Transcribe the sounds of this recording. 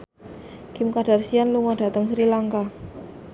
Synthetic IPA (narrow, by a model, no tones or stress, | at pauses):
kɪmkad̥arsianluŋɔd̥a̤t̪əŋsɾilaŋka